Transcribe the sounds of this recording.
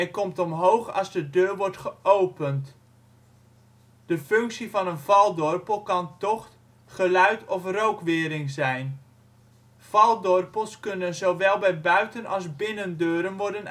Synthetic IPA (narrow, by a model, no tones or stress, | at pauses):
ɛkɔmtɔmɦowχɑ̰zdədøːɹʋɔɹtχəʔowpənt | d̥əfɵŋksivɑnənvɑlˠdɔrpəlˠkɑntɔχ | χəlœɥtʰɔfrowkʋɪːɾɪŋzɛjn | v̥ɑlˠdɔrpəlˠskɵnənzowʋɛlˠbɛjbœɥtənʔɑlˠzbɪnəndøːɾənʋɔɹdən